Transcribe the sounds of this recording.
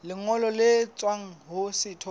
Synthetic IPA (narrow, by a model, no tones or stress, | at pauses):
lɪŋɔlɔlɪt͡sʼwaŋ̩ɦʊsɪtʰɔ